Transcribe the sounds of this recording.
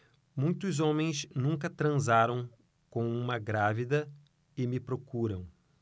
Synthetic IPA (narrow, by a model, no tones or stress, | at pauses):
mũj̃t̪ʊzõmẽj̃snũŋkɐt̪ɾɐ̃zaɾɐ̃w̃ | kõw̃ũmɐɡɾavid̪ɐ | ɪmɪpɾokuɾɐ̃w̃